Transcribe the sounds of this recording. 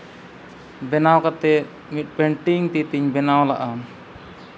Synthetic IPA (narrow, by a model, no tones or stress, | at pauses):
bɛnawkat̪ɛ | mit̪̚ˀpɛɳʈiŋt̪it̪iɲbɛnawlaʔa